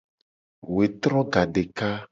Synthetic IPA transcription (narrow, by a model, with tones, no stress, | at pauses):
we˨t̪ɾɔ˦ɡa˨ɖe˨ka˦